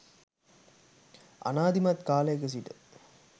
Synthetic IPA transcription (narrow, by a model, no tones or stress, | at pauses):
ɐ̰naːd̪imɐt̪kaːlɐjɐkəs̬iʈə